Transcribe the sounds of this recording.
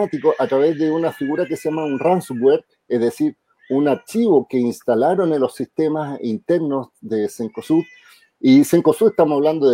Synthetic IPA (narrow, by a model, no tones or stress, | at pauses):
at̪ikoʔat̪ɾaβezðeunafiɣuɾakesejamaunransbweɾ | ezðesiɾ | unaɾt͡ʃiβokeinst̪alaɾo̞nenlosːist̪emasint̪eɾnozðeseŋkosuɾ | iseŋkosueht̪amosaβland̪oðe